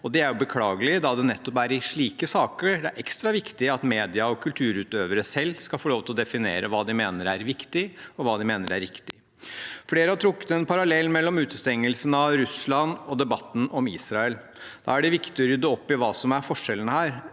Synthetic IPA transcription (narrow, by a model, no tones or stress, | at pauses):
ɔd̪ɛæɾjʊbəkʰlɑːɡəlɪd̪ɑd̪ɛnɛt̪ːɔpæɾɪʂɭiːkəsɑːkəɾɖ̪ɛæɾʔɛkst̪ɾɑʋɪkt̪ɪɑt̪meːd̪ɪɑɔkʰʉlt̪ʰʉːɾʉːt̪øːʋəɾəsɛlːskɑfɔɭoːʋt̪ʰɪlɔd̪ɛfɪnḛːɾəʋɑːd̪ɪmeːnəɾæɾʋɪkt̪ɪɔʋɑːd̪ɪmeːnəɾæɾːɪkt̪ɪ | fleːɾəhɑt̪ʰɾʊkːə̥t̪ɛnpʰɑɾɑlɛlːmɛlːɔmʉːt̪əst̪ɛŋːəlsənɑʋɾʉsɭɑnɔd̪ɛbɑt̪ːn̩ʔɔmḭːsɾɑɛl | d̪ɑ̰ːæɖɛʋɪkt̪ɪɔɾʏd̪ːəɔpːɪʋɑːsɔmæɾfɔʂːɛlənəhæːɾ